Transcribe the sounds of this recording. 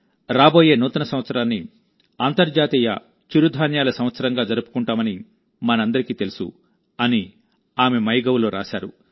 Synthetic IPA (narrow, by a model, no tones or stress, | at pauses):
ɾaːbo̞ːje̞ːnuːt̪ɐnɐsɐmʋɐt̪sɐɾaːnːi | aːnt̪ɐɾd͡ʒaːt̪iːjɐ̰ | t͡ʃuɾud̪ʱaːnjaːlɐsɐm̃ʋɐt̪sɐɾɐŋɡaːd͡ʒɐɾupu̥kuɳʈaːmɐni | mɐnɐɐnd̪ɐɾikiːt̪e̞lusṵ | ɐni | aːmemɐjɡɐwuloːɾa̰ːʃa̰ːɾṵ